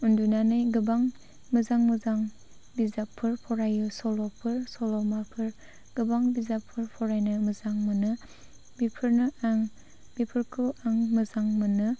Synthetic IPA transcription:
undunanɯjɡɯbaŋ | mɯzaŋmɯzaŋ | bizapʰːɯɾpʰɔɾajɯsɔlɔpʰɯɾsɔlɔmapʰɯɾ | ɡ̥ɯbaŋbizapʰːɯɾpʰɔɾajnɯmɯzaŋmɯnɯ | bipʰɯɾnɯʔaŋ | bipʰɯɾkʰɯaŋmɯzaŋmɯnɯ

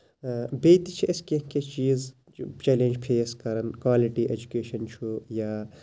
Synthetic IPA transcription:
beːt̪it͡ʃʰiʔɐskeket͡ʃiːz | t͡ʃeːleːnd͡ʒpʰeːskɐɾɐnkwaːliʈiʔed͡ʒukeːʃɐnt͡ʃʰujaː

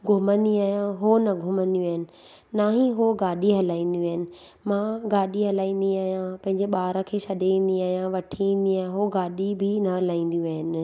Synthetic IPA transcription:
ɡʱʊmə̃nd̪iaːɦijãɦonɐɡʱʊmə̃nd̪jũaːɦɪnɪ̆ | naːɦĩɦoɡaːɗiɦɐlaːĩːn̆d̪iaːɦɪnɪ̆ | mãɡaːɗiɦɐlaːĩːn̆d̪iaːɦijãpɐ̃ɦɪ̃ɲ̆d͡ʑeɓaːɾə̃kʰeːsɐd̪ʱeĩːn̆d̪iaːɦijãʋɐʈʰiĩːn̆d̪iaːɦɦoɡaːɗibʱɪnɐɦɐlaːĩːn̆d̪jũaːɦɪnɪ̆

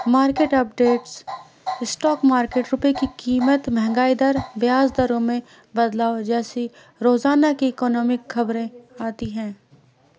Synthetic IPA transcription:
maːɾkeːʈɐp̚ɖeːʈs | ɪsʈɔːkmaːɾkeːʈɾʊpekikiːmət̪mɛɦŋɡaːid̪əɾʋjaːzd̪ɐɾõmẽ | bɐd̪laːod͡ʒɛːse | ɾoːzaːnakiɪkɔːnɔːmɪkxɐbɾẽaːt̪iɦɛ̃ː

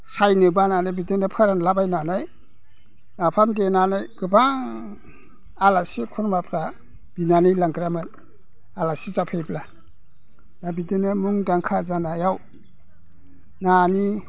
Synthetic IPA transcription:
sajnɯbananɯbidinɯpʰaɾanlabajnanaj | napʰamdenanajɡ̥ɯbaŋ | alasikʰuɾmapʰɾa | b̥inanijlaŋɡɾamɯn | alasizapʰejbla | dabidinɯmuŋdaŋkʰazanajaw | nani

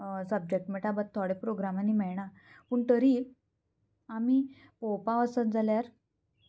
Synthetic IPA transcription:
səb̚d͡ʑek̚ʈmeʈabət̪t̪ʰːɔɽepɾoɡɾamaniːmɛɭɳa | puːɳt̪əɾi | amipopaʋəsənd͡zaljaɾ

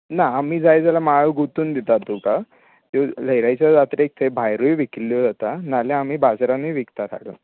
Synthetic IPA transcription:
naːmiːd͡zajd͡zalamaɭoɡut̪uːnd̪it̪at̪uka | t̪eləjɾajt͡ɕjad͡zat̪ɾek̚t̪ʰebʱajɾujʋikilːjod͡zat̪analeam̤iːbad͡zɾãnijʋikt̪at̪ʰa̰ɽo̰

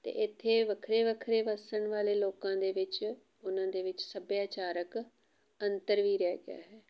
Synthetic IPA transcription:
t̪ḛːɪt̪ʰːeːʋəkʰɾeːʋəkʰɾeːʋəsəɳʋaːleːloːkãːd̪eːʋɪt͡ʃ | ʊnãːd̪eːʋɪt͡ʃsəbjaːt͡ʃaːɾək | ənt̪əɾʋiːɾɛːɡɪa̰ːɦɛː

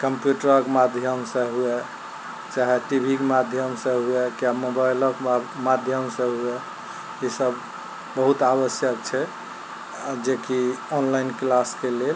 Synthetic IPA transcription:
kəmpjuʈəɾəkmad̪ʱjəmsẽɦue | t͡ʃaɦɛʈibʱikemad̪ʱjəmsẽɦuekjamobajləkmad̪ʱjəmsẽɦue | isəb | bəɦut̪aβəsjək̚t͡ʃʰɛ | d͡ʒekiɔnlaɪnklaskelel

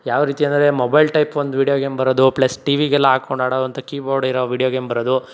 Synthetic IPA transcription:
jaːʋɐɾiːt̪iɐnd̪ɐɾe̞mobɐjlʈɐjpʋɐnd̪uʋiːɽijoːɡeːmbɐɾod̪uplɐsʈiːʋiɡɛlːɐɦaːkoɳɖaːɽod̪ɐnt̪ɐkiːboːɾɖiɾoʋiːɽijoɡeːmbɐɾod̪u

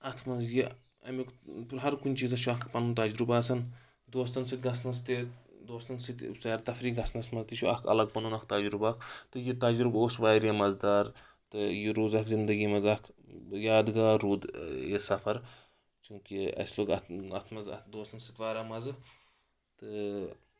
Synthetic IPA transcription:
ɐt̪ʰmɐzji | ɐ̰mikpɾɦɐɾkunʲt͡ʃiːzɐt͡ʃʰuɐkʰpɐnunt̪ɐd͡ʒɾubaːsɐn | d̪oːst̪ɐnsɨt̪̚ʲɡɐsnɐzt̪id̪oːst̪ɐnsɨt̪ʲsajɾt̪ɐfɾiːɡɐsnɐsmɐzt̪it͡ʃʰuɐ̰kʰɐ̰lɐɡ̚pɐnuːnɐk̚t̪ɐd͡ʒɾubakʰt̪ɨjit̪ɐd͡ʒɾuboːsʋaːɾjɐmɐzd̪aːɾ | t̪ɨjiɾuːzɐkzind̪ɐɡiːmɐzɐkʰjaːd̪ɡaːɾuːd̪jesɐfɐɾ | t͡ʃukiɐ̰sloːɡɐt̪ɐt̪ʰmɐzɐ̰d̪oːst̪ɐnsɨt̪ʲʋaːɾamɐzɨ | t̪ɨ

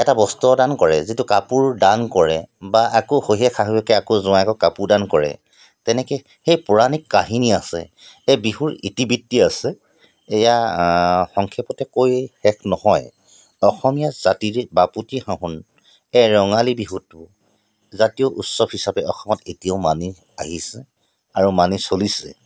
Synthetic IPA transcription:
ɛtabɔstuɔdankɔɹɛzitukapuɹdankɔɹɛbaʔakɔhoɦiɛkʰaɦujɛkɛakozʊ̃aɛkɔkapuɹdankɔɹɛ̰ | tɛnɛkɛ | xejpʊɹanikːaɦiniasɛ̰ | ɛbiɦuɹitibitːiasɛː | ja | xɔŋkʰɛpɔtɛkojxɛkʰnɔhɔj | ɔxɔmijazatiɹɛbaputihãɦun | ɛɹɔŋalibiɦutʊ | zatijoʔutsɔbhisabɛʔɔxɔmɔtetijaʊmani | a̰ɦisɛ | aɹumanisolisɛ̰

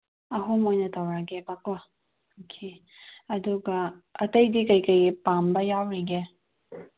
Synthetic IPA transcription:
ɐɦomojnɐtʰawɾaɡɛbakɔ | kʰi | ɐduɡɐɐtɐjdikɐjkəjpambɐjawɾiɡe

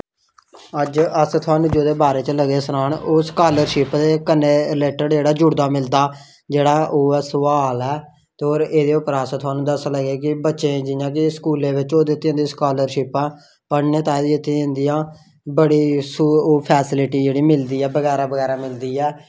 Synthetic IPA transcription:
əd͡ʒəst̪ʰʊaːnũːd͡ʒoːd̪eːbaːɾeːt͡ʃləɡeːsəɾaːɳoːskaːləɾʃɪpd̪eːkənːeːleːʈəɽd͡ʒeːɽaːd͡ʒʊɽd̪aːmɪld̪aː | d͡ʒeːɽaːʔoːɛːsəʋaːlɛː | t̪ːoːɾeːd̪eːʊpɾaːsãːt̪ʰʊaːnũːd̪əsləɡeːkɪbətːʃẽːd͡ʒɪjãːkɪskuːlẽːʋɪt͡ʃoːd̪eːt̪ʰːẽːnd̪iːskaːləɾʃɪpãː | pəɽneːt̪ãːd̪iːɪt̪ʰːẽɪ̃nd̪ijãː | bəɽiːsuːoːpʰɛːsɪlɪʈiːd͡ʒeːɽiːmɪld̪iːɛːbəɡɛːɾaːbəɡɛːɾaːmɪld̪iːɛː

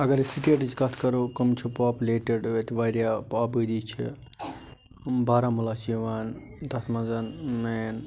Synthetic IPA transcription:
ɐɡɐɾsiʈieʈit͡ʃkɐt̪ʰkɐɾokɐmt͡ʃʰupaːpleːʈeɖʋet̪ʋaɾjapaːpəd̪it͡ʃʰi | baːɾamulaːt͡ʃiʋaːnt̪ɐt̪ʰmɐzɐnmeːn

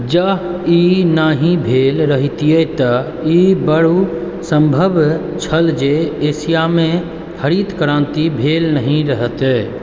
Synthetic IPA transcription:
d͡ʒəɦinaɦĩbʱelɾəɦit̪ijet̪ə | ibəɽu | səmbʱəbʱ | t͡ʃʰəld͡ʒeːsijamẽ | kʰəɾit̪kɾãnt̪ibʱelnəɦĩɾəɦət̪ɛ

